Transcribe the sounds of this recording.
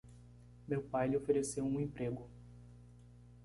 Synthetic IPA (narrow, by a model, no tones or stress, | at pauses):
mewpajlɪofeɾesewũẽpɾeɡʊ